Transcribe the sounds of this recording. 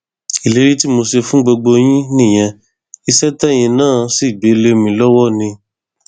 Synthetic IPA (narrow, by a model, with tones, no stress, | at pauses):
i˨le˨˦ɾi˦ti˦mo˧se˧fũ˦ɡ͡bo˧ɡ͡bo˧j̃ĩ˦nĩ˦˨j̃ɛ̃˧ | i˧sɛ˦tɛ˦˨j̃ĩ˧nãː˦˨si˦˨ɡ͡be˨˦le˦mĩ˧lɔ˦wɔ˦nĩ˧